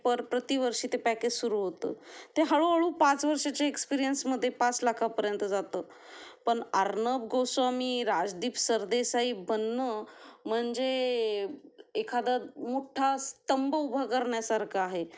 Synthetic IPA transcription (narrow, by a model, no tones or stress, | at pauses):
pəɾpɾət̪iːʋəɾʂiːt̪epakesuɾuːɦot̪ə̰ːt̪eɦəɭoəɭuːpat͡sʋəɾʂat͡ɕaekspiɾijənsməd̪ʱːjepat͡slakʰapəɾjənt̪əd͡zat̪əː | pəɳaɾnəbɡosʋamiːɾad͡zd̪iːpsəɾd̪esaiːbənːəm̤əɳd͡ze | ekʰad̪amoʈʰast̪əmbəubʱakəɾɳjasaɾkʰaːɦe